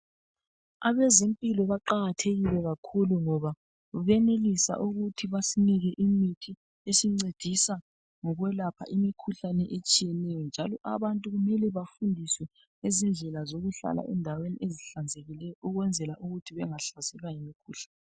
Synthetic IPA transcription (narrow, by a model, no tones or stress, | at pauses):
aβɛzempʼilɔβaǃaɣatʰeɣilɛɣakʰuluŋɔβa | βɛnelisa̰ʔuɣutʰiβasiniɣɛʔimitʰi | esiŋ͡ǀed̥ʱisa | ŋɔɣwɛlapʰa̰ʔimikʰuɬanɛʔet͡ʃʼijɛnɛjɔnd͡ʒʱalɔʔaβantʼuɣumɛlɛβafundʱiswɛ | ezind͡ɮʱɛlazoɣuɬa̰la̰ʔɛndʱaweniʔeziɬand͡zʱeɣilɛjɔuɣwɛnd͡zʱɛlaʔuɣutʰiβɛŋaɬazɛɣajimikʰuːɬanɛɛ